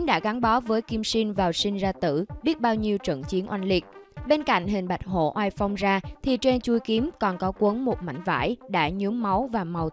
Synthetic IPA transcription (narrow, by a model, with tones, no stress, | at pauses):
ɗa̰ː˧˥ɣa˨˦ŋɓɔ˨˦vəː˨˦jki˧msi˧nvaː˨˩wsï˧ŋ̟zaː˧t̪ɨ̰˧˩ɓi˦˥ət̚ɓaː˧wɲi˧əwt͡ɕə̰˧˨ŋt͡ɕi˨˦ənʔwa˧nli˨˩k̚ɓe˧nka̰˧˨ŋ̟ɦï˨˩ŋ̟ɓa˨˩jt̚ɦo̰˧˨ʔwaː˧jfa˧wŋ͡mzaː˧t̪ʰi˨˩t͡ɕe˧nt͡ɕu˧jki˨˦əmkɔ˨˩nkɔ˨˦kwə˨˦nmo˨˩t̚ma̰˧˩˨jŋ̟va̰ː˧˥˩jɗa̰ː˧˥ɲu˨˦mːa˨˦wvaː˨˩ma˨˩w